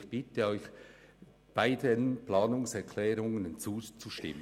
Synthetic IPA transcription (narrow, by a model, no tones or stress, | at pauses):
xb̥ɪtəɔʏç | b̥aɪdənplɑːnʊŋsɛʁkʰlɛːɾʊŋənt͡suːt͡suʃtɪ̰mə